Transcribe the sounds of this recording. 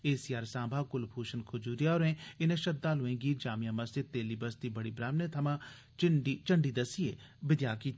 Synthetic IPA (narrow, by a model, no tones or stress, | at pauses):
eːsiːaːɾsãːbʱãːkʊlpʰuːʃənkʰʊd͡ʒuːɾijaːoːɾɛ̃ːɪnẽːʃəd̪aːlʊẽːɡiːd͡ʒaːmijãːməsɪt̪eːliːbəst̪iːbəɽiːbɾaːmnẽːt̪ʰəmãː | t͡ʃɪɖit͡ʃəɳɖiːd̪əsijeː | bɪd̪jaːkiːt̪